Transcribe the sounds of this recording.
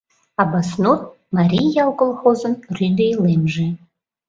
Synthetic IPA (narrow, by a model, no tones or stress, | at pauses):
abasnot̪̚ | maɾʲijjɑlˠkolˠxozənrʲyd̪ejlemʒe